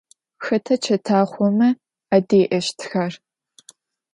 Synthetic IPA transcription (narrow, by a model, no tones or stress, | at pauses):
xɐtʰɐt͡ʃʰɐtʰaːχʷɔmɐ | adeːʔɐʃtʰxar